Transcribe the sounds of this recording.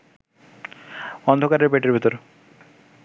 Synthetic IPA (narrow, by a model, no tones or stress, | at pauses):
ɔnd̪ʱokaɾeɾbeʈeɾbʱit̪oɾe